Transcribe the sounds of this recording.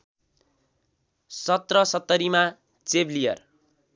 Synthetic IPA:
sʌt̪rʌsʌt̪ːʌɾima | t͡seblijʌ̰r

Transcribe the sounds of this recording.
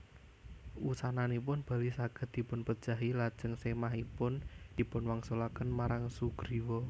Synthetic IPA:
ʔusananipʊnb̥a̤lisaɡ̥ə̤t̪̚d̪̥i̤pʊnpəd̥ʒ̥a̤ɦilad̥ʒ̥ə̤ŋsemaɦipʊnd̪̥i̤pʊnwaŋsolakənmaɾaŋsuɡ̥ɾiwɔ

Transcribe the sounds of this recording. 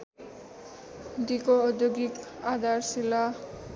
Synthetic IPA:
d̪ikoːd̪joɡikad̪arsila

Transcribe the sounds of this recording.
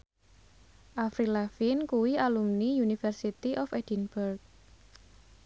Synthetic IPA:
ʔafɾilafinkuwialumnijunifərsit̪iʔɔfɛdinburk̚

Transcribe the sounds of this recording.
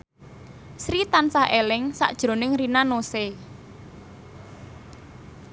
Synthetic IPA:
sɾit̪ansahʔelɪŋsa̰ʔd̥ʒ̥ɾo̤nɪŋrinanose

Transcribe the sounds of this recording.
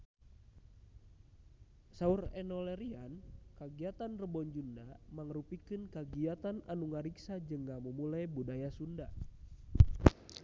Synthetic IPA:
saurɛnɔlɛɾiankaɡiat̪anrəbɔɲd͡ʒundamaŋɾupikɨnkaɡiat̪ana̰nuŋaɾiksad͡ʒɨŋɡaməmulajbudajasunda

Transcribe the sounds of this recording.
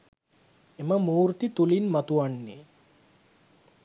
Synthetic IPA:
eməmuːɾt̪it̪ulinmat̪uʋanːe

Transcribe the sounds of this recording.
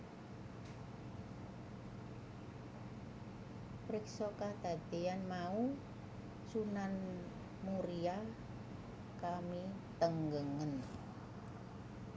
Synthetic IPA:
pɾɪksɔkahd̪̥a̤d̪eanmau | sunan | muɾia | kami | t̪əŋɡəŋən

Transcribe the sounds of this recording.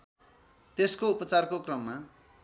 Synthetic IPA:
t̪eskoupʌt͡sarkokrʌmːa

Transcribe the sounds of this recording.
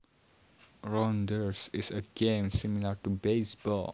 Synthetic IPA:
ɹɔ̃ndəɹsisəɡẽmsimilatubesbɔ̰l

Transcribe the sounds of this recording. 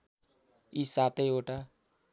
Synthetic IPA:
isat̪ejoʈa

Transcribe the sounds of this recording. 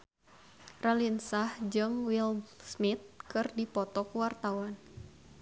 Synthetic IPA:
ralinsahd͡ʒɨŋwilsmit̪̚kɨrdipɔt̪ɔkuwart̪awan

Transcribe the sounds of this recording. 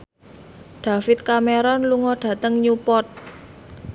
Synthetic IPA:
ɖ̪̥ä̤fɪt̪̚kameɾɔnluŋɔɖ̥ä̤t̪əŋɲupɔt̪̚

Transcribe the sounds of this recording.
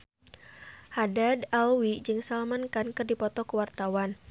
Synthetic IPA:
hadadawid͡ʒɨŋsalmankankɨrdipɔt̪ɔkəwart̪awan

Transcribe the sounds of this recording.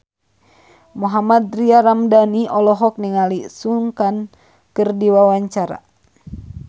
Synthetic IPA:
muɦamad̪̚riaɾamdaniɔlɔɦɔk̚niŋalisuŋkan | kɨrdiwawaɲt͡ʃaɾa̰

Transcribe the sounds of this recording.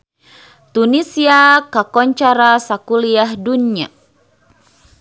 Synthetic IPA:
t̪unisiakakɔɲt͡ʃaɾasakuliahdunia̰

